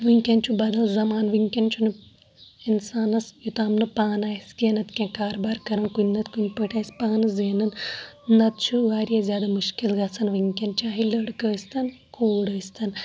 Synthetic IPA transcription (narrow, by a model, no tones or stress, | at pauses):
ʋiŋʲkʲɐnt͡ʃʰubɐd̪ɐlzɐmaːnʋɨŋkʲɐnt͡ʃʰunɨ | insaːnɐsjut̪aːmnɨpaːnaːjisʲkʲeːnɐt̪kʲẽːkaːɾbaːɾkɐɾɐnkunʲnɐt̪kunʲpəʈʰʲaːisʲpaːnɐzeːnɐnnɐt̪̚t͡ʃʰuʋaːɾjaːzʲjaːd̪amuʃkilɡɐt͡sʰɐnʋɨŋkʲɐnt͡ʃaːɦilɐɽkəːsʲt̪ɐnkʰoːɽəːsʲt̪ʰɐn